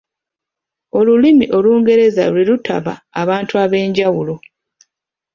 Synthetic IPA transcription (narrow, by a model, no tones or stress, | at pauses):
o̞lulimiʔo̞luːŋɡe̞ɾe̞za̰lwilutʰa̰βa̰ːβaːntuaβe̞ːɲɟawulo